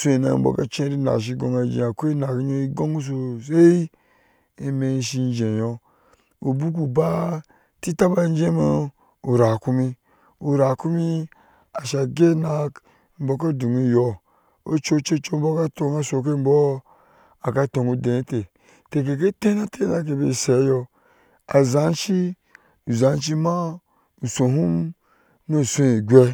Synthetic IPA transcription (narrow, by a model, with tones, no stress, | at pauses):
so˦e˨na̰˨m̩˨bɔ̰˨ka˦t͡ʃẽ˦ɾi˦na̰˨ʃ̬i˧ɡo˨ŋa˧d͡ʒḭ˨a˨ko˦i˦na˨ki˦ɲo˦i˦ɡo˦ŋu˦s̬o˧s̬e˦i˦ | i˦me˧˦ʃi˧n˦d͡ʒẽ˨jɔ˧ | u˨bu˦k̬u˨ba˦ | ti˦ta˦ba˦n˦d͡ʒe˦ma˧ | u˨ɾa˨ku˦mi˧ | u˨ɾa˨ku˦mi˦ | a˨ʃa˨ɡe˦na˨k | m̩˦bo˨˦k̬a˦du˨ŋu˦jɔ˨ | o˦t͡ʃo˦t͡ʃo˦t͡ʃo˦m̩bo˦ka˦to˧ŋa˦so˨k̬e˦m˦bɔ˦ | a˨ka˦to˨ŋu˨de˨˦te˨ | te˨k̬e˨k̬e˦te˦na˦tʰe˦na˨˦k̬e˨be˨se˨˦jɔ˧ | a̰˨za˨˦n˦t͡ʃi˦ | u˨za˨˦n˦t͡ʃi˦ma˦ | u˨so˨ɦu˦m | no˦˨so˦e˨ɡʲʷe˦